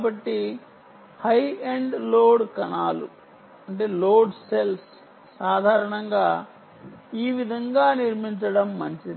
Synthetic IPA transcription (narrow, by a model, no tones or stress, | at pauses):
bɐʈːi | hɐjeɳɖloːɽkɐnaːlṵ | ɐɳʈe̞ːloːɖse̞ls | saːd̪ʱaːɾɐɳɐŋɡaː | iːʋid̪ʱɐŋɡaːniɾmiɲt͡ʃɐɽɐmːɐɲt͡ʃid̪i